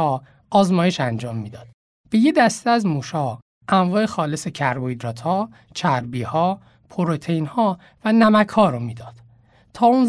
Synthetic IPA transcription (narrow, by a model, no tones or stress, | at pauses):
ɒ | ɒːzmɒːjeʃænd͡ʒɒːmːiːd̪ɒːd̪̥ | b̥e̞je̞d̪æst̪eæzmuːʃɒː | ʔæmvɒːexɒːlese̞cʰæɾboid̪ɾɒːt̪ʰhɒː | t͡ʃʰæɾbiːhɒː | pʰoɾot̪ʰejnhɒː | vænæmækʰhɒːɾomiːd̪ɒːd̪̥ | t̪ʰɒːuːn